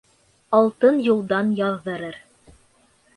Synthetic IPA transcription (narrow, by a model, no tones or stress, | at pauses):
ɑlˠt̪ɤnjulˠd̪ɑnjɑðːɤ̆ɾɤɾ